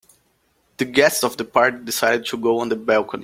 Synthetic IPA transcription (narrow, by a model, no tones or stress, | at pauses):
ð̥ɨɡɛstsɔvðəpʰɑɹk̚dɪsaɪɾɨd̚tʰuɡoʊə̃nðəbælˠkʰə̃n